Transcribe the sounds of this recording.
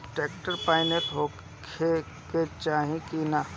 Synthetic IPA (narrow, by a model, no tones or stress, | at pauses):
ʈeːkʈəɾpaːɪneʈɦoː | kʰe | ket͡ʃaːɦĩkina